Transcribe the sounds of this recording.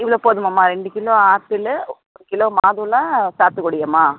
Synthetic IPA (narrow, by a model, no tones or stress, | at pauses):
ɪʋɐloːpoːðɯmamːaːɾɛɳɖɯkɪloːaːt̪ːɪlɐɔɾɯkɪloːmaːðɯlãːsaːɾt̪ɯkɔɽɪjɐmaː